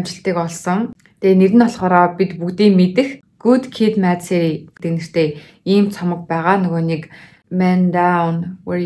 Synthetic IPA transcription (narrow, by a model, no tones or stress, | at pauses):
mt͡ɕɪ̆ɬt̪iːkɔɮsɞ̆ŋ | t̪ʰeːneɾɘ̆nɔɮχɔːɾɔːpʲit̪pukt̪iːŋmet̪ɘ̆x | ɡ̥ut̪kʰit̪mæːt͡seːt̪enɘ̆r̥t̪ʰeː | iːmt͡sʰɔmə̆k̚pæːʁaːnɵɣoːnik | mænd̪awnwe